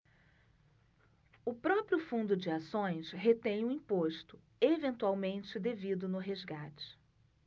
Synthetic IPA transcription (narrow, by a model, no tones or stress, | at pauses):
ʊpɾɔpɾjʊfũnd̪ʊd͡ʒɪasõj̃sɦet̪ẽj̃ʊ̃ĩpoʃt̪ʊ̥ | evẽnt̪uawmẽnt͡ʃɪd̪evid̪ʊnʊɦezɡat͡ʃɪ̥